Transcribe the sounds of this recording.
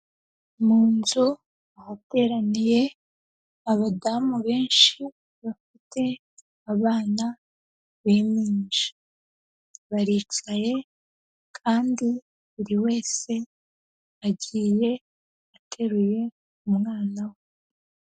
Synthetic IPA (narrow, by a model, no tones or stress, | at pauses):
muːnzu | ahate̞ːɾanije̞ | aβadamuβe̞ːnʃi | βafitʰe̞ | aβaːna | βemiːnd͡ʒe̥ | βaɾiːt͡ʃaje̞ | kʰaːndi | uɾiwe̞ːse̞ | aɟiːje̞ | atʰe̞ɾuje̞ | umŋaːnawo